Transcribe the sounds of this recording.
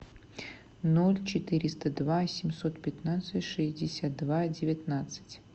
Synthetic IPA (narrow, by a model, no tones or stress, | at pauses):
nolʲt͡ɕɪt̪ɨɾʲɪst̪əd̪vasʲɪmʲsot̪pʲɪt̪nat̪sɨtʲʂɨzʲdʲɪsʲat̪̚d̪vadʲɪvʲɪt̪nat̪sɨ̥tʲ